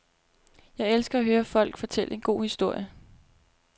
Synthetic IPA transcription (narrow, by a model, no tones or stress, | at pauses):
jɑ̈ɪelsɡ̥ɐæɦøːɐfɒ̽l̰ɡ̥fɒ̽t͡sʰel̰əe̝nɡ̥o̝̰ːhisd̥o̝ɐ̰jə